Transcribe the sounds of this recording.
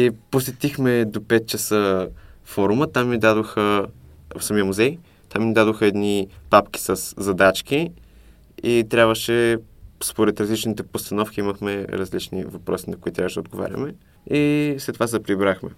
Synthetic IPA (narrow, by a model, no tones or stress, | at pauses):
iposɛt̪ixmɛd̪opɛt̪̚t͡ʃəsəfɔɾumət̪amːid̪ad̪oxə | fsɐmiəmuzɛj | t̪amːid̪ad̪oxəɛd̪nipapk̟i̥səsːɐd̪at͡ʃk̟i | it̪ɾʲabvəʃɛspoɾɛt̪ɾɐzlit͡ʃnit̪ɛpost̪ɐnɔfk̟ʲiiməxmɛɾɐ̰zlit͡ʃnḭvɐpɾɔsinɐkoit̪ɾʲavəʃd̪od̪ɡova̰ɾʲɐ̰mɛ | islɛt̪ːovaspɾibɾaxmɛ̰